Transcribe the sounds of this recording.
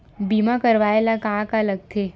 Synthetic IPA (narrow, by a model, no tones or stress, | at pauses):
biːmakɐɾʋaːelakãkalɐɡ̚t̪ʰe